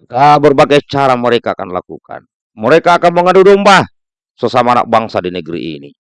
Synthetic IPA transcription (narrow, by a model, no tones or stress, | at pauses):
dabərbaɡɛjt͡ʃaɾaməɾɛkaːkanla̰kṵka̰n | məɾɛkaːkanməŋadudɔmba | sɔsamaːna̰k̚baŋsadinəɡɾḭʔḭni